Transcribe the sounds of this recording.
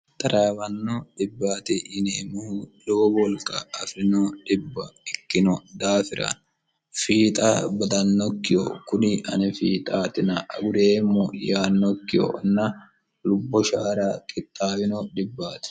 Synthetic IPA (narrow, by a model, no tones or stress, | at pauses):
t̪ʼɐɾʔaːwɐnːɔᶑɪbːaːt̪ɪʔɪneːmʊhʊd̪oːbɔlkʼːɐːfɾɪnɔᶑɪbːɐɪkːɪnɔd̪aːfɪɾɐ̰n | fiːt̪ʼaːbɐd̪ɐnːɔkːɪjɔ̰kʊnɪɐnɛfiːt̪ʼaːt̪ɪnɐʔɐ̰ɡʊɾeːmːɔjaːnːɔkːɪjɔ̰nɐ | lʊbːɔʃaːɾaːkʼɪt̪ʼːaːwɪnɔᶑɪbːaːt̪ɪ̥